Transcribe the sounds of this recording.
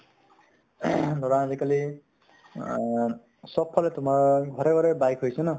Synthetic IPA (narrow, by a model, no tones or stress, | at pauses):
d̪ʱɔɹanzikali | sɔpʰːɔlet̪umaɹɡʱɔɾɛɡʱɔɾɛbajkɦojsuna